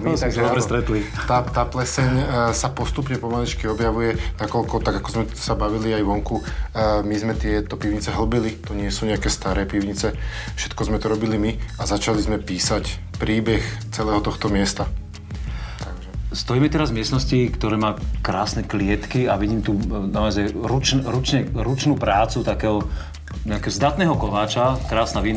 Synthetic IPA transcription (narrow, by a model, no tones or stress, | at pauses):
d̪ɔbɾɛst̪ɾɛt̪lit̪at̪aːplɛsɛɲsapɔst̪upɲɛpɔmalit͡ʃkiɔbjaʋujɛnakɔlkɔt̪aɡakɔzmɛ | sabaʋiliajʋɔŋkumizmɛt̪ɪɛt̪ɔpiʊɲit͡sɛɦl̩bilit̪uɲɪɛsuːɲɛakɛːst̪aɾɛːpiʊɲit͡sɛ | fʃɛ̥t̪kɔzmɛt̪ɔɾɔbilimiazat͡ʃalizmɛpiːsac | pɾiːbɛxt͡sɛlɛːɦɔt̪ɔxt̪ɔmɪɛst̪a | t̪aɡʒɛst̪ɔiːmɛt̪ɛɾazmɪɛst̪nɔscikt̪ɔɾɛːmaːkɾaːsnɛklɪɛt̪kiaʋiɟiːmt̪uːnaɔzajɾut͡ʃnɾut͡ʃɲɛɾut͡ʃnuːpɾaːt͡sut̪akɛːɦɔ | ɲɛakɛːɦɔzd̪at̪nɛːɦɔkɔʋaːt͡ʃakɾaːsnaʋiːn